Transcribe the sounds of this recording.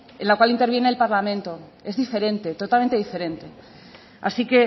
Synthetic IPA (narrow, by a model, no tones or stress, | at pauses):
enlakwalint̪eɾβje̞ne̞ːlpaɾlamẽ̞nt̪o̞e̞zðife̞ɾe̞nt̪e̞t̪o̞t̪alme̞nt̪eife̞ɾẽ̞nt̪e̞ | a̰sike̞